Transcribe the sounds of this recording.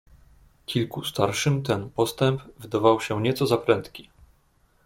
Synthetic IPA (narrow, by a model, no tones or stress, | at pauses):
kʲilkust̪aɾʂɘmt̪ɛnpɔst̪ɛmpvɘd̪avawɕɛɲɛt̪sɔzapɾɛnt̪kʲi